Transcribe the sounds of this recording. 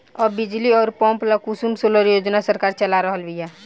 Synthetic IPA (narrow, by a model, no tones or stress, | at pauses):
ɔbɪd͡ʒliɔːɾpɔ̃ːmplakusumsoləɾjoːd͡ʒnasəɾkaːɾt͡ʃəlaɾəɦəlbijaː